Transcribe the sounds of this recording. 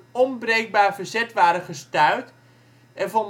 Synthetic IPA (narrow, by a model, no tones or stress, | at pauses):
ɔmbrejk̚baːɹvəɹzɛtʋaːɾəχəstœɥt | ɛnvɔn